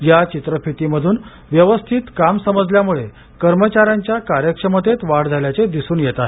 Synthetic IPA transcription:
jat͡ɕit̪ɾəpʰit̪iməd̪ʱuːn | ʋjəʋəst̪ʰiːt̪kamsəməd͡zljamuɭe | kəɾmət͡ɕaɾaɲt͡ɕjakaɾjəkʂəmət̪et̪ʋaɽd͡zʱaljat͡sed̪isuːnjet̪aɦe

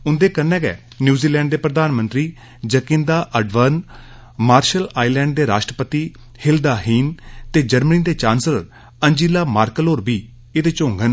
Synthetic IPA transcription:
ʊnd̪eːkənːɛːɡɛ̰ː | njuːziːlɛ̃ːɳɖd̪eːpɾəd̪aːnmə̃nt̪ɾiː | d͡ʒəkɪ̃nd̪aːʔəɖʋən | maːɾʃəlaːilɛ̃ːɳɖ̚d̪eːɾaːʃʈɾəpət̪iː | hɪld̪aːɦiːnt̪eːd͡ʒəɾməniːd̪eːt͡ʃãːnsləɾ | ənd͡ʒiːlaːmaːɾkəlɦoːɾbiː | eːd̪eːt͡ʃõːŋɡən

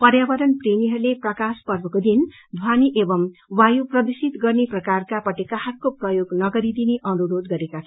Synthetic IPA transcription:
pʌrjabʌɾʌnpreniɦʌɾuleprʌkaspʌrbʌkod̪in | d̪ʱwaniʔebʌmwajuprʌd̪isit̪ɡʌrneprʌkarkapʌʈekaɦʌt̚koprʌjoɡnʌɡʌɾid̪ineʔʌnuɾod̪ɡʌɾekat͡sʰʌ

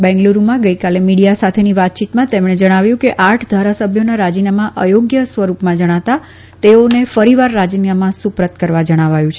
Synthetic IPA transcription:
bɛ̃ŋɡluɾumãɡəikalemiɽijasat̪ʰeniʋat̪̚t͡ʃit̪mãt̪emɽ̃ed͡ʒəɽ̃aʋjũkeʔaʈʰd̪ʱaɾasəbʱjonaɾad͡ʒinamãʔəjoɡjəsʋəɾupmãd͡ʒəɽ̃aʋt̪a | t̪eonefəɾiʋaɾːad͡ʒinjamãsupɾət̪kəɾʋad͡ʒəɽ̃aʋajũt͡ʃʰe

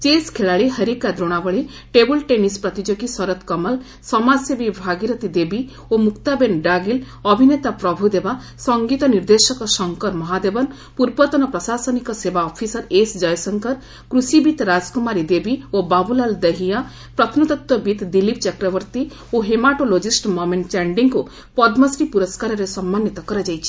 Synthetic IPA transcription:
t͡ʃeskʰeɭaɭiɦəɾikad̪ɾoɽ̃abɔɭe | ʈebulʈenispɾɔt̪id͡ʒoɡisɔɾɔt̪kɔmal | sɔmasjɔbibʱaɡiɾɔt̪id̪ebi | omukt̪abenɖaɡil | ɔbʱinet̪apɾɔbʱud̪eba | sɔŋɡit̪ɔniɾd̪esɔkɔsɔŋkɔɾmɔɦad̪ebɔn | puɾbɔt̪ɔnɔpɾɔsasɔnikɔsebaɔpʰisɔɾesd͡ʒɔjsɔŋkɔɾ | kɾusibit̪ɾad͡ʒkumaɾid̪ebiobabulald̪eɦia | pɾɔt̪ʰnɔt̪ɔt̪ːɔbit̪d̪ilip̚t͡ʃakɾɔbɔɾt̪i | oɦemaʈolod͡ʒisʈmɔmeɳʈt͡ʃaɳɖiŋku | pɔd̪mɔsɾipuɾɔskaɾɔɾesɔmːanːit̪ɔkɔɾad͡ʒajt͡ʃʰi̥

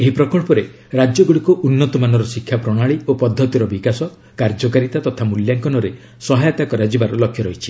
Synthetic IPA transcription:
eɦipɾɔkɔɭpɔɾe | ɾad͡ʒjɔɡuɽikuʔunːɔt̪ɔmanɔɾɔsikʰːjapɾɔɽ̃aɭiopɔd̪ʱːɔt̪iɾɔbikasɔ | kaɾd͡ʒɔkaɾit̪at̪ɔt̪ʰamuljaŋkɔnɔɾe | sɔɦajɔt̪akɔɾad͡ʒibaɾɔlɔkʰːjɔɾɔɦit͡ʃʰi̥

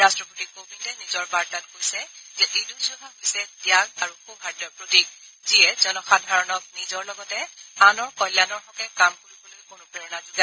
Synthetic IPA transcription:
ɹastɹɔpotikobʱidɛnizɔɹbaɹtat̚kojsɛzɛʔetusɔbʱaɦojsɛdijaɡaɹuxubɦaɹtɔɹpɹotiɡ̚ | ziɛzɔnɔxadʱaɹɔnɔk̚nizɔɹlɔɡɔtɛanɔɹkɔjlːanɔɹxɔkɛkamkoɹibolokonʊpɹɛɹɔnazuɡa

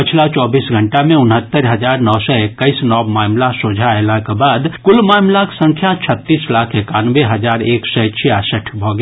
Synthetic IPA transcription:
pɪt͡ʃʰlat͡ʃɔːbiːsɡʱə̃ɳʈamẽʊnɦət̪ːəɾɦəd͡ʒaːɾnɔːsɔekːəisnɔːbmaːmlasoːd͡ʒʱaelakabaːd̪kʊlmaːmlaksə̃ŋkʰjat͡ʃʰət̪ːiːslaːkʰeːkaːnʋeɦəd͡ʒaːɾeːksɛt͡ʃʰiaːsəʈʰbʱɔɡ

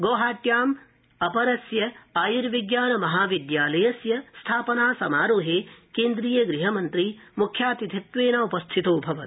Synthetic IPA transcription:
ɡoːɦaːt̪jaːm | ɐpɐɾɐsjɐaːjiɾʋiɡjaːnɐmɐɦaːʋid̪jaːlɐjɐsjɐst̪ʰaːpɐnaːsɐmaːɾoːɦeːkeːnd̪ɾijɐɡɾiɦɐmɐnt̪ɾimukʰːjaːt̪it̪ʰit̪ʋeːnaupɐst̪ʰit̪oːbʱɐʋɐ̰t̪

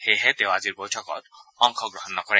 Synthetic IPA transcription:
xeɦɛt̪eʊaziɹbojtʰɔkɔ̰t̪ɔŋkʰɔɡɹɔɦɔnːɔkɔɹɛ

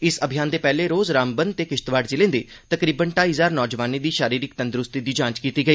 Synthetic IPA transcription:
ɪsəbʱɪjaːnd̪eːpɛːleːɾoːzɾaːmbənd̪̚t̪eːkɪʃt̪ʋaːɖd͡ʒɪlẽːnd̪eː | t̪əkɾiːbənʈaːizaːɾnɔːd͡ʒʋaːniːd̪iːʃaːɾiːɾɪk̚t̪ənd̪ɾʊst̪iːd̪iːd͡ʒãːt͡ʃkiːt̪iːɡəiː

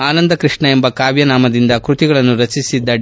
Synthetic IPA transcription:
aːnɐnd̪ɐkɾiʂɳɐe̞mbɐkaːʋjɐnaːmɐd̪ind̪ɐkɾut̪iɡɐɭɐnːuɾɐt͡ʃisid̪ːɐ

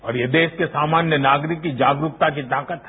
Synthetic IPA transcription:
ɔːɾjed̪eːskesaːmaːnjənaːɡɾɪkːid͡ʒaːɡɾuk̚t̪ak̬it̪aːkət̪

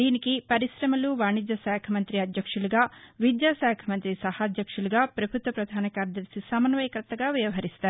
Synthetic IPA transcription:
d̪iːnikipɐɾiʃɾɐmɐluʋaːɳid͡ʒ̪ɐsɛːkʰɐmɐnt̪ɾiɐd̪jɐkʂuluɡaːʋid̪jaːsaːkʰɐmɐnt̪ɾisɐhɐd̪jɐkʂuluɡaːpɾɐbʱut̪ʋɐpɾɐd̪ʱaːnɐkaːɾɐd̪ɐlsisɐmɐnʋɐjɐkɐɾt̪ːɐɡaːʋjɐʋɐɦɐɾist̪aːɾi

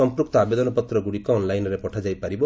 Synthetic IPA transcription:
ɔmpɾukt̪ɔabed̪ɔnɔpɔt̪ɾɔɡuɽikɔːnlajnɔɾepɔʈʰad͡ʒajpaɾibɔ

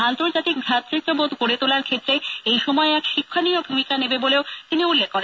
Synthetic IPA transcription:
ant̪oɾd͡ʑat̪ik̚bʱɾat̪ːɾit̪ːobod̪ʱkoɾet̪olaɾkʰet̪ːɾeejʃɔmɔeɛkʃikʰːaniobʱumikanebeboleot̪iniulːekːoɾen

